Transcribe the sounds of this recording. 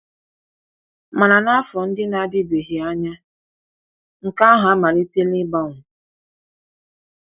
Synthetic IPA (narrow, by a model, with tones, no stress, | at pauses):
ma˨na˨na˦a˦fɔ˨n̩˦dɪ˦na˨˦dɪ˦be˨ɦi˨a˦ɲa˦ | ŋ̩˨ka˦ɦa˨a˦ma˨ɾi˦te˦lɪ˦ba˦ŋʷʊ˨